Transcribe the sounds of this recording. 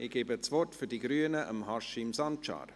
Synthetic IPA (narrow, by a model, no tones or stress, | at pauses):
ɪɡ̥eːbət͡svɔrtfydiɡɾyənəʔə̰mhɑʃimsɑntt͡ʃɑ̰ːɾ